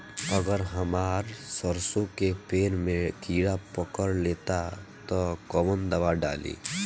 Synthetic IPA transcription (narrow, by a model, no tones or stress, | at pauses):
əɡəɾɦəmaːɾsəɾsõkepeːnmẽkiːɽapəkəɽleːt̪at̪ɔkɔʋənd̪əʋaɖa̰ːlḭː